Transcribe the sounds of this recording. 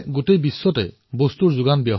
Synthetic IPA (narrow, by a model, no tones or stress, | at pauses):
ɡotejbisːɔtɛ̰ | bost̪uɹzʊɡanbjɔɦ